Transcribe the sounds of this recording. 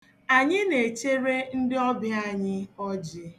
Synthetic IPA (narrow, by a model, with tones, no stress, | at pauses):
a˨ɲɪ˦ne˨t͡ʃe˦ɾe˦n̩˦dɪ˦ɔ˦bɪ˦a˦˨ɲɪ˦ɔ˦d͡ʒɪ˦